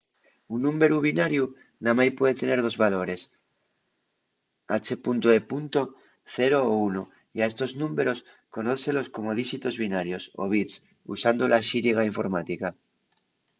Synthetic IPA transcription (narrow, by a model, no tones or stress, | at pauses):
unːũmbe̞ɾuβ̞inaɾju | namajpwe̞ðet̪e̞neɾðo̞zβalo̞ɾe̞s | a̰t͡ʃepunt̪oepunt̪o | θeɾoːuno | iae̞st̪o̞znũmbe̞ɾo̞s | ko̞noθelo̞sko̞moð̞iʃit̪o̞zβinaɾjo̞so̰β̞it̪s | ṵsand̪olʔaʃiɾiɣ̞aiɱfo̞ɾmat̪ika